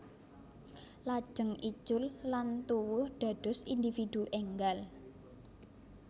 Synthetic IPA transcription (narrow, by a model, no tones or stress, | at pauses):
lḁʒ̥əŋi̥t͡ʃʊlːant̪uwʊhɖ̪̥a̤d̪̥ʊ̤sind̪ifid̪̥uʔɛŋɡal